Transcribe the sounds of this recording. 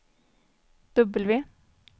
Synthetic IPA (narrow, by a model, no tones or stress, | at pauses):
d̪̥œbəlʋiː